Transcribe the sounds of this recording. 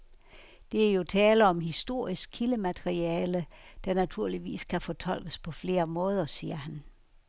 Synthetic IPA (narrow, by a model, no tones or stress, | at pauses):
d̥e̝æɐjo̝t͡sʰɛːləɒ̽mɦisd̥o̝ɐ̰isɡ̥̚kʰiləmæd̥eʁiɛːləd̥ɑ̈næt͡sʰuɐ̰liʋḭːskʰæfɒt͡sʰɒ̽l̰ɡ̥əspʰɒ̽fle̝ːɐmɔ̽ːð̞ˠɐsiːɐhæn